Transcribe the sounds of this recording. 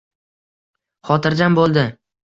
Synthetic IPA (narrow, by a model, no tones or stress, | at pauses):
χɒt̪ʰɪɾd͡ʒanbolˠd̪ɪ